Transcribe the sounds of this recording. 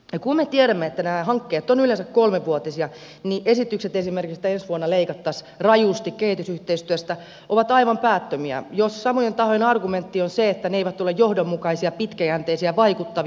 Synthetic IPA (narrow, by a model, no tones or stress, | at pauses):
jɑkummet̪ieɾæmːeet̪ːænæːɦɑŋkːet̪ːonylensækkolmeʋʋuot̪isiɑ | niʔesit̪ykset̪esimerkikst̪æensʋuonːɑleikɑt̪ːɑs | rɑjust̪ikkehit̪ysyht̪eist̪yøst̪æ | ʔoʋɑt̪ɑiʋɑmpæːt̪ːømiæ̰jossɑmojent̪ɑhojenɑrɡument̪ːionseet̪ːæneeiʋæt̪t̪ulːejjohdomːukɑisiɑpit̪kæjænt̪eisiæʋɑikut̪ːɑʋ